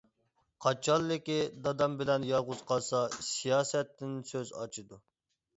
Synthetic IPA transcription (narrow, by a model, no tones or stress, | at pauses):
qʰɑt͡ʃʰɑlˠːɪkʲid̪ɑd̪ɑmbɪlɛnjɑʁʊzqɑsɑsijɑːsɛt̪ːɪnsøzɑ̰t͡ʃʰɨd̪u